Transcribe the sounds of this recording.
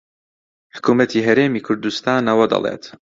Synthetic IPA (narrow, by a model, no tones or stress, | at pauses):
ħʊ̥kuːmɐt̪ʰiːɦɐɾeːmiːkʰʊɾd̪ust̪aːnɐwɐd̪ɐ̰lˠḛt̪